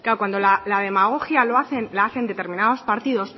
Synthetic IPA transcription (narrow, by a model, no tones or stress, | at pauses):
klaokwand̪o̞lalað̞e̞maɣ̞oxjalo̞aθe̞nlaaθe̞nd̪e̞t̪e̞ɾmĩnaðo̞spaɾt̪iðo̞s